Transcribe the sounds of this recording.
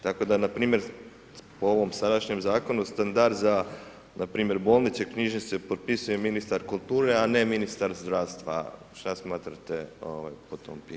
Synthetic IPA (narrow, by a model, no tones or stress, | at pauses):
t̪ako̞d̪anapɾiːmje̞ɾ | poo̞ʋo̞msad̪aʃɲemzaːko̞nust̪and̪aɾd̪za | napɾiːmje̞ɾbo̞ːlnit̪sekɲiʒnisepot̪̚pisuje̞minist̪aɾkulˠt̪uːɾe̞ane̞minist̪aɾzd̪ɾaːʋst̪ʋa̰ | ʃt̪asmaːt̪ɾat̪eo̰ʋa̰jpot̪o̰mpi